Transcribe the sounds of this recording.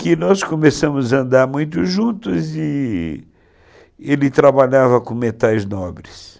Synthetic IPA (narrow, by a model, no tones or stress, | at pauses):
kɪnɔskomesɐ̃mʊzɐɐ̃nd̪aɾmũj̃t̪̬ʊʒũnt̪ʊzɪ | elɪt̪ɾabaʎavɐkõmet̪ajznɔbɾɪs